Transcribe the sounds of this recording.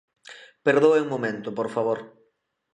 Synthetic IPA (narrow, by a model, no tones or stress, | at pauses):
peɾðoweŋmomẽnt̪ʊpoɾfaβoɾ